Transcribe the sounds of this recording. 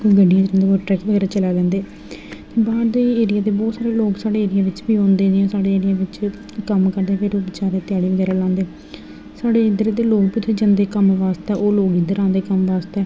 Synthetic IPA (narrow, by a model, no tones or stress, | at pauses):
koɡəɖijãːd͡ʒɾɛ̃nd̪eːoʈɾɛːkʋəɡɛːɾaːt͡ʃəlaːlɛ̃ːnd̪eː | t̪eːbaːd̪iːeːɾɪjaːd̪eːbɔːt̪saːɾeːloːksaːɽeːeːɾɪjaːʋɪt͡ʃbiːõːnd̪eːd͡ʒjãːsaːɽeːeːɽɪjaːʋɪt͡ʃ | kəmkəɾd̪ẽpʰɪɾoːbɪt͡ʃaːɾeːt̪ɪjaːɽiːʋəɡɛːɾaːlãːnd̪eː | saːɽeːɪd̪əɾeːd̪eːloːkpɪt̪ʰːed͡ʒənd̪eːkəmʋaːst̪ɛːʔoːloːɡɪd̪əɾãːnd̪eːkəmʋaːst̪ɛː